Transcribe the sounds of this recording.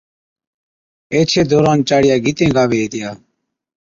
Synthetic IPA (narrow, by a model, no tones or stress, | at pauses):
eːt͡ʃʰeːd̪oːɾaːnt͡ʃaːɽɪjaːɡit̪ẽːɡaːʋeːɦeːt̪ɪjaː